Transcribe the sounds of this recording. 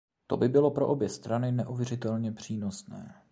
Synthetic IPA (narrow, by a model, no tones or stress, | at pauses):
t̪o̞bɪbɪlo̞pɾo̞ʔo̞bjɛst̪ɾanɪnɛʔuvjɛr̝ɪt̪ɛlɲɛpr̝̥iːno̞snɛ̰ː